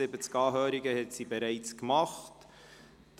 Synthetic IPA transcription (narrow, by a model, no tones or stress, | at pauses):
ɪbət͡skɑːɦøːɾiɡəhɛtsibɛɾæɪt͡skmɑχt | d̥